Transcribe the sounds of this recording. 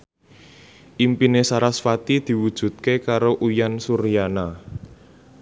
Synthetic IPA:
ʔimpinesaɾasfat̪id̪̥i̤wud̥ʒ̥ṳt̪̚kekaɾoʔujansuɾijana

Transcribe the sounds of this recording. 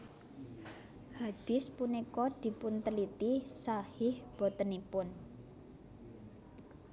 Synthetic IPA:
had̥ɪ̤spunikɔd̪̥i̤pʊnt̪əlit̪isahɪhb̥ot̪ənipʊn

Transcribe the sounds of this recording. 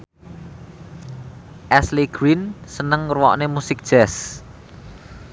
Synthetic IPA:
ʔɛsliɡ̥ɾinsənəŋrwɔ̰ʔnemusɪk̚d̥ʒ̥ɛs

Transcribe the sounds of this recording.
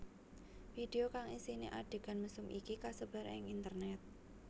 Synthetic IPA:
fid̥eokaŋisinḭʔa̰ɖ̥e̤ɡ̥a̤nməsʊmikikasəb̥a̤ɾɪ̰ŋint̪ərnɛt̪̚

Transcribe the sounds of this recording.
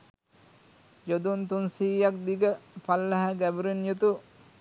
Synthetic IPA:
jod̪unt̪unsiːjak̚d̪iɡəpalːɐɦaɡæbuɾenjut̪u

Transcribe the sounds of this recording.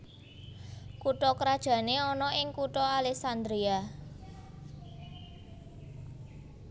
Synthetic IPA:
kuʈɔkɾad̥ʒ̥ä̤neɔnɔʔɪŋkuʈɔalɛksand̪ɾia

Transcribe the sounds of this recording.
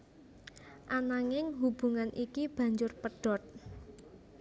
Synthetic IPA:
ʔanaŋɪŋɦub̥ṳŋanʔikib̥ä̤ɲd͡ʒʊrpəɖ̥ɔ̤t̪̚

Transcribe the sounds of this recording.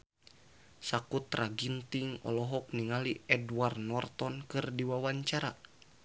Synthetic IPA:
sakut̪raɡint̪iŋɔ̰lɔɦɔk̚niŋaliɛdwarnɔrt̪ɔnkɨrdiwawaɲt͡ʃaɾa

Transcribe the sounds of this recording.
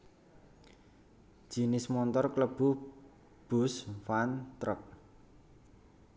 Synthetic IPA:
ʒ̥inɪsmɔnt̪ɔrkləb̥ṳ | b̥ʊ̤sfant̪ɾək̚

